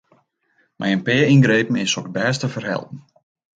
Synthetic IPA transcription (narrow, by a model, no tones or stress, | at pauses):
mʔɛ̰jənpɪəinɡɾejpən̩ɪsɔkbɛːstəfərɦɛ̰lˠpən̩